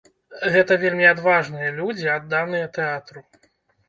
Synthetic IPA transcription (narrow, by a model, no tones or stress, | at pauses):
ɣɛt̪ɐvʲelʲmʲiad̪vaʐnɨjɐlʲud͡zʲiad̪ːanɨjɐt̪ɛat̪ɾu